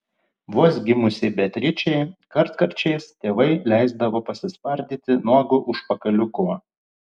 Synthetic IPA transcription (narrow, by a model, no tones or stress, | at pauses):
ʋuɔsɡʲɪmʊsʲɪbʲɛt̪ʲɾʲɪt͡ʃʲɛɪkɐɾt̪kɐɾʲt͡ʃʲɛɪst̪ʲeːʋɐɪlʲæˑɪzd̪ɐʋoːpɐsʲɪspɐɾʲd̪ʲiːt̪ʲɪnuɔɡʊʔʊʃpɐkɐlʲʊkʊ